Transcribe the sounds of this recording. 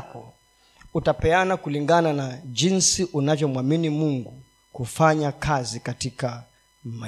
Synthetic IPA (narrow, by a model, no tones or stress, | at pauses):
kɔ | utapɛanakuliŋɡananaʄinsiʔunavjɔmwaminimuŋɡu | kufaɲakʰazikatika | ma